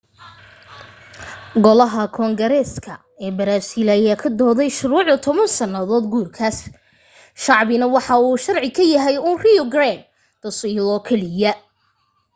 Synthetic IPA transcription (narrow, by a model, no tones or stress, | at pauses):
ɡɔlɐɦɐkʰɔːŋɡɐɾɛːskʰɐ | ɛːbɐɾaːsiːlːjaːkʰɐd̪ɔːðɛjʃʊɾuːʕʊt̪ʰɔβɐnsɐnːɐðɔːd̪ɡuːrkʰaːs | ʃɑʕβɪnɐwɑħɑuːʃɐrʕɪkʰɐjɐɦɛjuːnriɔɡɾan | d̪̥ɐsilɔːkʰɛlɪjɐ